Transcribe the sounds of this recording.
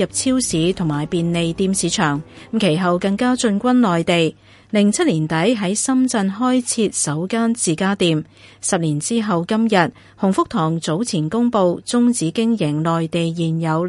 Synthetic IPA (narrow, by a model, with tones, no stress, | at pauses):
ɐ˨p̚t͡sʰiː˥wsiː˨˥t̪ʰʊ˨˩ŋmaː˨˩jpiː˨˧nle˨jt̪iː˧msiː˨˥t͡ʃʰœː˨˩ŋm̩˨kʰe˨˩jɦɐ˨wkɐ˧ŋkaː˥t͡ʃɵ˧nkʷɐ˥nlɔː˨jt̪e˨j | lɪ˨˩ŋt͡sʰɐ˥t̚liː˨˩nt̪ɐ˨˥jɦɐ˨˥jsɐ˥mt͡sɐ˧nɦɔː˥jt͡sʰiː˧t̚sɐ˨˥wkaː˥nt͡siː˨kaː˥t̪iː˧m | sɐ˨p̚liː˨˩nt͡siː˥ɦɐ˨wkɐ˥mjɐ˨t̚ | hʊ˨˩ŋfʊ˥k̚t̪ʰɔː˨˩ŋt͡so˨˥wt͡sʰiː˨˩nkʊ˥ŋpo˧wt͡sʊ˥ŋt͡siː˨˥kɪ˥ŋjɪ˨˩ŋlɔː˨jt̪e˨jːiː˨˩njɐ˨˧w